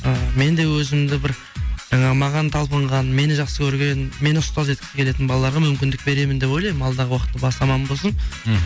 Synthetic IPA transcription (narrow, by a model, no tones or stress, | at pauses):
əme̞nd̪e̞wɵzɪmd̪ɪbɪɾ | ʒ̥ɑɴɑʁəmɑʁɑnt̪ʰɑlˠpəɴʁɑnme̞nɪʒɑqsəkʲʰɵɾɡʲe̞nme̞nɪʊst̪ɑzʒet̪̚kʲɪzɪkʲʰee̞t̪ɪnbɑlˠɑlˠɑɾʁɑmʏmkʲɪnd̪ɪk̚be̞ɾe̞mɪnd̪e̞po̞jlˠɑjmɪmɑlˠd̪ɑʁəwɑqət̪ːəbɑsɑmɑmbolˠsən